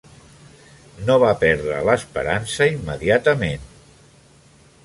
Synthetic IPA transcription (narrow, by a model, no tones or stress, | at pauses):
noβapɛɾðɾə̰ləspə̰ɾansəimːəðiat̪əmen